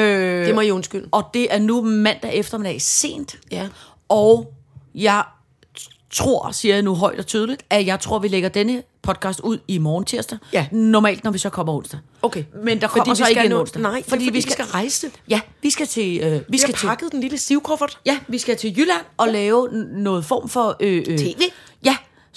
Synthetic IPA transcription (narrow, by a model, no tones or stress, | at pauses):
øemɒiɔnsɡ̥yl̰ɒ̽d̥e̝ʔæɐnumæn̰d̥æʔefd̥ɐmed̥ɛɪse̝̰ːnd̥ | ʔɒʊ | jɑ̈ɪ | t͡sʰʁo̝ɐ̰siɐjnuɦɒ̽ɪd̥ɒ̽t͡sʰyːð̞ˠəlid̥æjɑ̈ɪt͡sʰʁo̝ɐ̰ʋileɡ̥ɐd̥enəpʰɒ̽d̥̚kʰɑ̈sd̥uð̞̰ˠimɒːnt͡sʰiɐ̰sd̥ænɒmɛ̰ːld̥nɒʋisɒ̽kʰɒ̽m̰ɐɔ̽n̰sd̥ɐ | okʰemend̥ɑ̈kʰɒdɒ̥̽ḭɐseɡɡenɔ̽n̰sd̥æɪ̰fɒ̽dḭːʋisɡæʁɑ̈ɪsjæʋisɡ̥æt͡sʰe̝ʋiɡ̥æpʰt͡sʰeɑ̈ɡ̥əð̩ˠd̥enliləsiʊkʰɔfɐd̥jæʋisɡ̥æt͡sʰe̝jylænʔɒ̽lɛːʊnɔ̽ːð̩ˠfɒ̰ːmfɒ̽øeːʋḛ | jæ